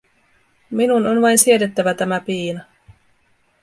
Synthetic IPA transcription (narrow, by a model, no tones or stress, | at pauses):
minuno̞nʋɑjnsied̪et̪ːæʋæt̪æmæpiːnɑ